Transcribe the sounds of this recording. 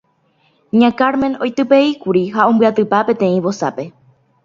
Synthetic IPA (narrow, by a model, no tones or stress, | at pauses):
ɲãkaɾmẽ̞no̞jt̪ɨpeikuɾiɦaõ̞mbɨat̪ɨpapẽt̪ẽ̞ĩβo̞sape̞